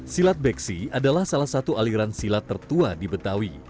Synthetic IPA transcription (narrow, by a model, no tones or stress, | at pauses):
silat̪̚bɛksiadalahsalahsat̪ualiɾansilat̪ːərt̪uadibət̪awi